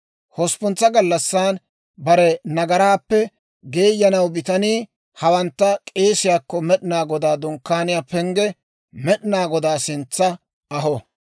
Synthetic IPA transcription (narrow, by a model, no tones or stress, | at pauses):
hɔspʊnt͡sːɐɡɐlːɐsːaːn | bɐɾɛnɐɡɐɾaːpːɛ | ɡe̞ːjːɐnɐwbɪt̪ɐniː | hɐwɐnt̪ːɐkʼe̞ːsɪjaːkːɔmɛɗɪnaːɡɔd̪aːd̪ʊŋkːaːnɪjaːpɛŋɡɛ | mɛɗɪnaːɡɔd̪aːsɪnt͡sːɐ | ɐɦɔ